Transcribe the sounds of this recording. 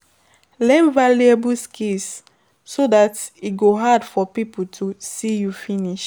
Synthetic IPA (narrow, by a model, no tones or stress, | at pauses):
lɛ̃nvaliəbuskʰis | sodatit̚ɡoɦadfɔpipəl̩tʰusijufĩniʃ